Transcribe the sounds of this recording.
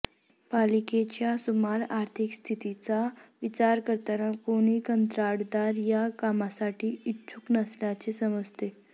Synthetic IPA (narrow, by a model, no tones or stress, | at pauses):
paliket͡ɕjasumaɾaɾt̪ʰikst̪ʰit̪it͡saʋit͡ɕaɾkəɾt̪anəkoɽ̃ikənt̪ɾaɽd̪aɾjakamasaʈiːitːt͡sʰuknəsljat͡sesəməd͡zt̪e